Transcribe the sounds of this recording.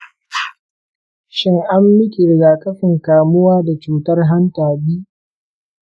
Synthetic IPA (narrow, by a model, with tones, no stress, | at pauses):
ʃɪ˦ŋʔa˦mːɪ˦kʲi˨ɾɡaː˨kʼɐ˦ɸɪ˨ŋkaː˨mʊ˦waː˦da˨t͡ʃuː˨tɐ˦rɦa˦ntaː˨ɗiː˦